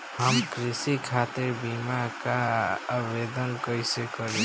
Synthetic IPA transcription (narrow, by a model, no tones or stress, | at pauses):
ɦəmkɾisikʰat̪iɾbimakaəbed̪ənkəjsekəɾe